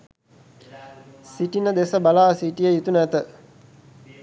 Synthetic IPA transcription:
siʈinəd̪esəbalaːsiʈijəjut̪unæt̪ə

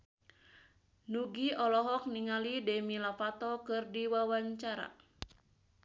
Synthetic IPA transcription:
nuɡiɔlɔɦɔk̚niŋalidɛmilafat̪ɔkɨrdiwawaɲt͡ʃaɾa̰

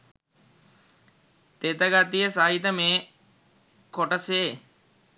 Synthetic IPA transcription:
t̪et̪əɡat̪ijəsaɦit̪əmeː | koʈəseː

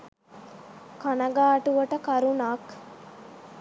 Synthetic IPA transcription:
kɐnɐɡaːʈuʋɐʈəkɐɾunaːk

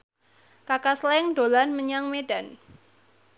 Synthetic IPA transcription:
kakaslɛŋd̥olanməɲaŋmeɖa̤n

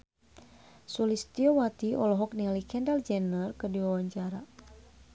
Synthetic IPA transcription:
sulist̪iɔwat̪iɔlɔɦɔk̚nialikɛndald͡ʒɛnərkədiwawaɲt͡ʃaɾa

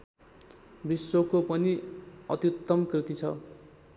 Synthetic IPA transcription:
bisːokopʌniʌt̪jut̪ːʌmkrit̪it͡sʰʌ

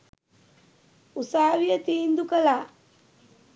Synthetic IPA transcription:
usaːʋijət̪iːnd̪ukəlaː

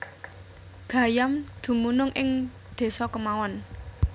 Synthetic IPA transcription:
ɡ̥ä̤jamd̪̥ṳmunʊŋʔɪŋ | d̪̥e̤sɔkəmawɔn

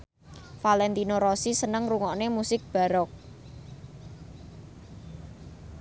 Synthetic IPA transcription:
falɛnt̪inoɾɔsisənəŋruŋɔʔnemusɪk̚b̥a̤ɾɔk̚

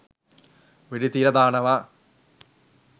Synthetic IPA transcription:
ʋiɽit̪iɾɐd̪aːɳɐʋa

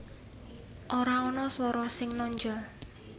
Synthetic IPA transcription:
ʔoɾaɔnɔswɔɾɔsɪŋnɔɲd͡ʒɔl

